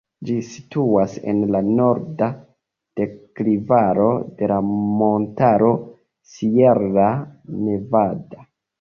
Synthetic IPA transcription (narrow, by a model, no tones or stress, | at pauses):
d͡ʒisi̥tuasḛnlano̞ɾda | d̥eklivaɾo̞de̞lamontaɾo̞ | sieɾːane̞vada